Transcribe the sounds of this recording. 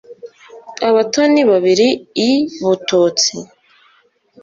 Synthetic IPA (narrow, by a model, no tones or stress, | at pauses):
aβatoniβaβiɾiː | βutuːt͡sḭ